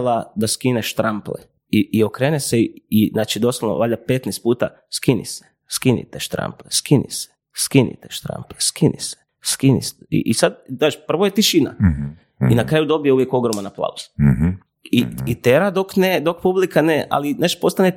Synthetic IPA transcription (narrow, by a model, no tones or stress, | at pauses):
lad̪askineʃt̪ɾamplḛ | iʔiokɾeːneseinaːt͡ʃid̪o̞solno̰ʋaːʎʲapet̪nest̪puːt̪a̰ | skinḭse̥ | skinḭt̪eʃt̪ɾa̰mpleskinḭse̥ | skinḭt̪eʃt̪ɾa̰mpleskinḭse̥ | skinḭsḭʔisad̪aːʃpr̩ʋojet̪iʃina̰ | inakɾaːjud̪o̞bijeuʋjeko̞ɡɾomanaplˠa̰uz̥ | iit̪eɾad̪o̞kned̪o̞k̚publikaneʔa̰lineʃt̪o̥po̞st̪ane